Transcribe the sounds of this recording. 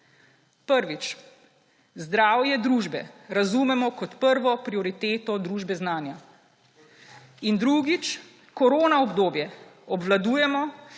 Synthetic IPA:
pəɾʋit͡ʃ | zd̪ɾaːwjɛd̪ɾuːʒbɛ̰ɾazuːmɛmɔkɔt̪pəɾʋɔpɾiɔɾit̪eːt̪ɔd̪ɾuːʒbɛznaːnja | ind̪ɾuːɡit͡ʃ | kɔɾoːnaɔbd̪oːbjɛɔbʋlad̪uːjɛmɔ

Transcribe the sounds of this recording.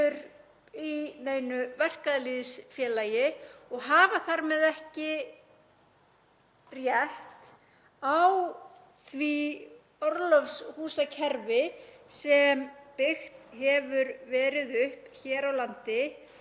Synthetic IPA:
ʏɾ | ineːjnʏvɛr̥kaðliːðsfjɛːlaːjɪɔɣɦaːvaθaɾmɛðɛhcɪ | rjɛht̪ | aw | θvi | ɔɾlɔfshuːsacʰɛɾvɪsɛmpɪxt̪hɛvʏɾvɛːɾɪðʏhpçɛːɾawlant̪ɪ

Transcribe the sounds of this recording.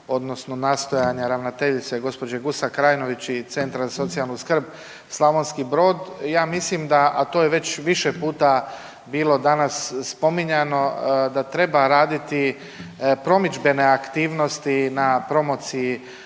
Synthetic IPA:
o̞d̪no̞snonaːst̪o̞jaɲaɾaʋnat̪e̞ʎit̪seɡo̞spo̞d͡ʑeɡusakɾaːjno̞ʋit͡ɕit̪se̞nt̪ɾazaso̞t̪sialnuskr̩b | slˠaʋonskibɾo̞ːd̪jaːmislimd̪aʔat̪o̞ːjeʋe̞t͡ɕʋiʃepuːt̪a | biːlˠo̞d̪anasːpo̞miɲano̞d̪at̪ɾe̞baɾaːd̪it̪i | pɾo̞mid͡ʒbe̞ne̞akt̪iːʋno̞st̪inapɾo̞mo̞ːt̪siji

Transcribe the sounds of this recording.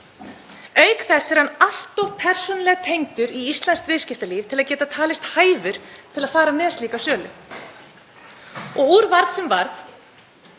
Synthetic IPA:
œɥkθɛsːɪɾ̥hanːal̥t̪ɔv̥pʰɛr̥sɔnlɛɣat̪ʰejŋt̪ʏɾiist̪lanst̪vɪːðscɪft̪aliːvt̪ʰɪlaðcɛːt̪at̪ʰaːlɪst̪haːjvʏɾ̥t̪ʰɪlaðfaːɾamɛːðsliːkasjœːlʏ̰ | ɔɣuɾvaɾðsɛmvaɾθ

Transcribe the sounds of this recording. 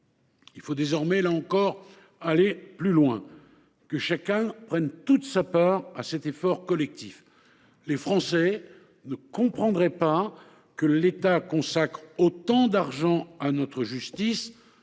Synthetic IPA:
ilfod̪ezɔʁmɛlaɑ̃kɔʁ | aleplylwɛ̃ | kəʃakʲɛ̃pχɛnt̪ut̪sapaʁasɛt̪efɔʁkɔlɛk̚t̪if | lefχɑ̃sɛ | nəkɔ̃pχɑ̃d̪ʁɛpa | kəlet̪akɔ̃sakχot̪ɑ̃d̪aʁʒɑ̃anɔt̪χəʒyst̪is

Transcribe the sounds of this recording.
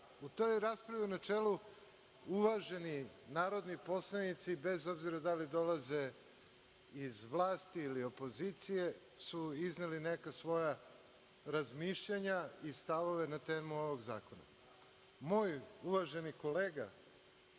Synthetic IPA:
ut̪o̞jɾaspɾaʋiunat͡ʂelu | uʋaʒe̞ni | naːɾo̞d̪nipo̞slanit̪sibe̞zo̞bziɾad̪alid̪o̞laze | izʋlˠaːst̪iːlio̞po̞zit̪sije̞ | suizneline̞kasʋo̞ja | ɾazmiːʃʎaɲaist̪aʋo̞ʋe̞nat̪eːmuo̞ʋo̞ɡza̰ːko̞na̰ | moːjuʋaʒe̞niko̞leːɡa̰

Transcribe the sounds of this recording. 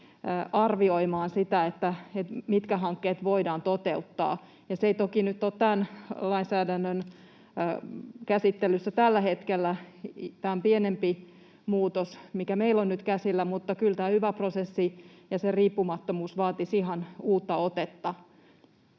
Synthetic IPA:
ɑrʋioimɑːnsit̪æet̪ːæet̪mit̪kæɦɑŋkːeːt̪ʋoidɑːnt̪ot̪eut̪ːɑ̰ː | jɑseit̪okinyt̪ːot̪t̪ænlɑinsæːdænːønː | kæsit̪ːelysːæt̪ælːæhet̪kelːæt̪æompienempi | muːt̪osmikæmeilonnyt̪kæsilːæmut̪ːɑkylt̪æːhyʋæprosesːijɑseriːpːumɑt̪ːomuːsʋɑːt̪isiɦɑnuːt̪ːɑot̪et̪ːɑ

